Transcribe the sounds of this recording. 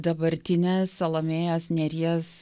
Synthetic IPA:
d̪ɐbɐɾʲt̪ʲɪnʲeːsɐlˠɐmʲeːjoːsnʲɛɾʲiɛs

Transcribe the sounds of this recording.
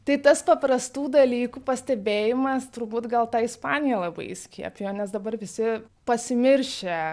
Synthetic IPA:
t̪ɐɪt̪ɐspɐpɾɐst̪uːd̪ɐlʲiːkupɐsʲt̪ʲɛbʲeːjɪmɐst̪ʊɾbuːt̪ɡɐlˠt̪ɑːɪspɑːnʲɪjɛlˠɐbɐ̰ɪsʲkʲḭɛpʲjoːnʲɛsd̪ɐbɐrʋʲɪsʲɪ | pɐsʲɪmʲɪɾʲʃʲe

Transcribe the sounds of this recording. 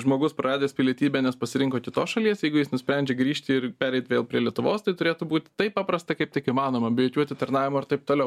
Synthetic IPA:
ʒmoːɡʊspɾɐɾɑːd̪ʲeːsʲpʲɪlʲiɛt̪ʲiːbʲɛːnʲɛspɐsʲɪɾʲɪŋkoːkʲɪt̪oːsʃɐlʲiɛsjɛɪɡʊjɪsnʊsʲpʲɾʲɛnʲd͡ʒʲeɡɾʲiːʃʲt̪ʲɪɪɾpʲæːɾʲɛɪt̪ʲʋʲeːlˠpʲɾʲiɛlʲiɛt̪ʊʋoːst̪ɐɪt̪ʊɾʲeːt̪ʊbuːt̪ʲɪ̥t̪ɐɪppɑːpɾɐst̪ɐkɐɪpt̪ʲɪkɪmɑːnoːmɐbʲɪjoːkʲuɔt̪ʲɪt̪ɐɾnɑːʋʲɪmoːɪɾt̪ɐɪp̚t̪oːlʲɛʊ

